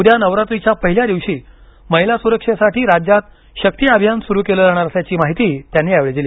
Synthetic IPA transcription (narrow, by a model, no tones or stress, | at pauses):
ud̪ʱjanəʋɾat̪ʋit͡ɕjapəɦiljad̪iʋʂiː | məɦilasuɾəkʂesaʈʰiːɾad͡ʑat̪ | ɕək̚t̪iabʱjansuɾuːkeləːd͡zaɽ̃aɾəsjat͡ɕiːmaɦit̪iːt̪janːiːaʋɭed͡ziliː